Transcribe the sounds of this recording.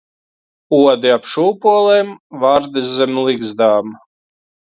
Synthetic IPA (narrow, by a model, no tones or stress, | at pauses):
uɔd̪iapʃuːpuɔlˠɛːmvaɾd̪ɨzːɛmʲliɡzd̪aːm